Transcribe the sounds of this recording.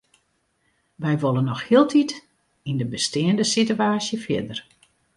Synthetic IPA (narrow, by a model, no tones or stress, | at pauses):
ʋɛjʋolˠənːɔxhiəlˠtʰit | indəbəstɪəndəsityaːsjəfjɪ̰dər